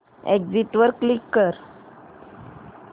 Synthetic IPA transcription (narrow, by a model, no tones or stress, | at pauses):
ekd͡ziʈʋəɾkːlikːəɾ